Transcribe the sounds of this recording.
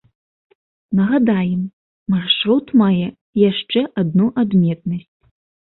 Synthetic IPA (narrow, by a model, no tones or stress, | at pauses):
nɐɣad̪ajɛmː | arʂɾut̪majɛ | jaʂt͡ʂɛʔad̪̚nuʔad̪mʲɛt̪̚nɐsʲt͡sʲ